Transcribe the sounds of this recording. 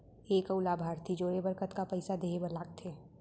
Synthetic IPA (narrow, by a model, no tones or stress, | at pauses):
eːkəʊlaːbʱaːɾt̪ʰid͡ʒoːɽebəɾkət̪kapɐɪsad̪eːebəlaːk̚t̪ʰeː